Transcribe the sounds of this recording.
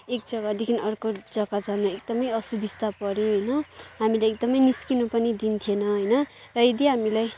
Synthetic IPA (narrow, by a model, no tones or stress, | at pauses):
ek̚d͡zʌɡad̪ikʰinʌrkod͡zʌɡad͡zanraek̚d̪ʌmʌjʌsubist̪apʌɾõɦʌjnʌɦamilajek̚d̪ʌmʌjniskinupʌnid̪int̪ʰienʌɦʌjnʌrʌed̪iɦamilaj